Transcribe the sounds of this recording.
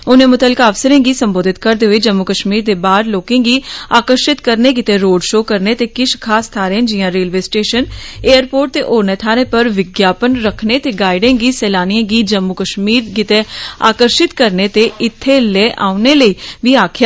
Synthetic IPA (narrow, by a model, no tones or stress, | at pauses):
ʊnẽːmʊt̪əlkaːəʋsəɾẽːɡiːsəmboːd̪ʱɪt̪kəɾd̪eːɦoeiːd͡ʒəmːʊkəʃmiːɾd̪eːbaːɾloːkẽːɡiːaːkəɾʃɪt̪kəɾneːk̬ɪt̪eːɾoːɖʃoːkəɾneːt̪eːkɪʃkʰaːst̪ʰaːɾẽːnd͡ʒɪjãːɾeːlʋeːsʈeːʃəneːəɾpoːɾʈ̚t̪eːʔoːɾnẽːt̪ʰaːɾẽːpəɾʋɪɡjaːpənɾəkʰneːt̪eːɡaːɪɖẽːɡiːsɛːlaːnijãːɡiːd͡ʒəmːʊkəʃmiːɾkɪt̪eːa̰ːkəɾʃɪt̪kəɾneːt̪eːɪt̪ʰːeːlɛːʔaːʊneːləiːʋiːaːkʰjaː